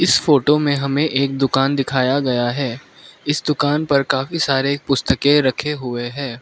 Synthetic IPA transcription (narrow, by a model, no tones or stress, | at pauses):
ɪsfoːʈomẽɦɐmẽʔeːk̚d̪ʊkaːnd̪ɪkʰaːjaɡɐjaɦɛː | ɪsd̪ʊkaːnpɐɾkaːfisaːɾeːk̚pʊst̪əkeɾɐkʰeɦʊeɦɛ̃ː